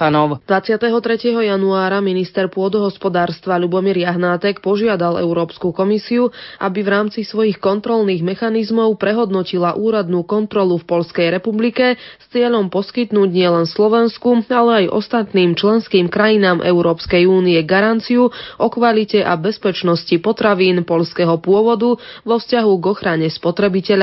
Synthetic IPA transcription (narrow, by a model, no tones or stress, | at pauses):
nɔd̪̥ʋat͡sɪat̪ɛɦɔt̪ɾɛcɪɛɦɔjanuaːɾaminist̪ɛɾpʊɔd̪ɔɦɔspɔd̪aːɾst̪ʋaʎubɔmiɾjaɦnaːt̪ɛkpɔʒɪad̪alɛ̰ʊɾɔːpskukɔmisiuʔa̰bivɾaːmt͡sisʋɔjixkɔnt̪ɾɔlniːɣmɛxanizmɔʊpɾɛɦɔd̪nɔcilaʔuːɾad̪nuːkɔnt̪ɾɔlufpɔʎskɛjɾɛpublikɛst͡sɪɛʎɔmpɔskit̪nuːɟɲɪɛlɛnslɔʋɛnskualɛajʔɔ̰st̪at̪niːmt͡ʃlɛnskiːmkɾajinaːmʔɛ̰ʊɾɔːpskɛjuːniɛɡaɾant͡siuʔɔkʋalicɛʔabɛspɛt͡ʃnɔscipɔt̪ɾaʋiːnpɔʎskɛɦɔpʊɔʋɔd̪uʋɔfscaɦuɡɔxɾaɲɛspɔt̪ɾɛbicɛʎa